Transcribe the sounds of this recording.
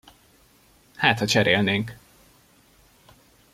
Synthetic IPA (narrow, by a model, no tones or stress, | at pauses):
haːt̪hɒt͡ʃɛɾeːlneːŋk